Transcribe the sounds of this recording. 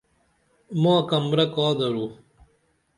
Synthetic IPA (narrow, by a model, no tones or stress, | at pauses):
moɐkɐmɾɐkaːd̪ɐɾu